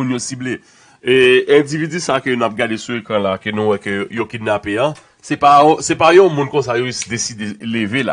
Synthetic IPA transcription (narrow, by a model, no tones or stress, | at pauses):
ũnjosible | eɛ̃d͡zivid͡zysakønũap̚ɡadesuekʁãlakenũwɛkøjokinapeɐ̃ | sɛpãsɛpajõmũnkõsajovisd̪esid̪elevela̰